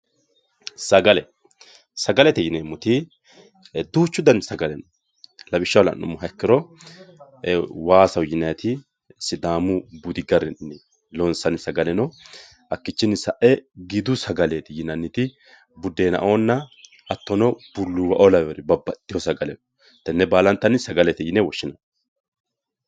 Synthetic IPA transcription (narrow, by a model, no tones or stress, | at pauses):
sɐɡɐlɛ | sɐɡɐlɛt̪ɪjɪnemʊt̪ɪ | d̪uːt͡ʃːʊd̪ɐnsɐɡɐlɛnɔ | lɐbɪʃːɐwlɐ̰nnːʊ̰mːʊɦɐkːɪɾɔ | waːsɐwjɪnːɐjɐt̪ɪ | sɪd̪aːmʊbʊd̪ɪɡɐɾɛnnɪ | lɔnsɐnɪsɐɡɐlɛnɔ | ʔɐkːɪt͡ʃːɪnːɪsɐʔɛɡɪd̪ʊsɐɡɐlet̪ɪjɪnɐnːɪt̪ɪ | bʊd̪ːeːnɐ̰ʔo̞ːnːɐ | ɐt̪ːɔnɔbʊlːʊwɐʔɔlɐbɛɾɪbɐbːɐt̪ːɪhɔsɐɡɐlɛnɔ | t̪ːɐnːɛbaːlɐnt̪ːɐnɪsɐɡɐlɛt̪ɪjɪnɛwɔʃːɪnɐ